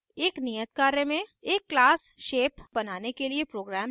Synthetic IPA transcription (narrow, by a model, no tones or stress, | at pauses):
eːknijət̪̚kaːɾjəmẽeːkːlaːsʃeːpbɐnaːnekeliepɾoːɡɾɛːm